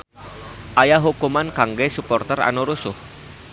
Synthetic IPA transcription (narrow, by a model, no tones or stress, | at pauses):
ʔajaɦukumankaŋɡɛsupɔrt̪ɛra̰noɾusʊh